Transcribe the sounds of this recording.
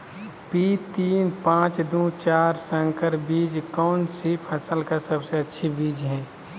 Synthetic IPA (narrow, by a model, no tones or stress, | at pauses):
piːt̪iːnpãːt͡ʃd̪ũt͡ʃaːɾsə̃ŋkəɾbiːd͡ʒkɔːnsipʰɐsəlkasəbseɐtːʃʰibiːd͡ʒɦɛ̃ː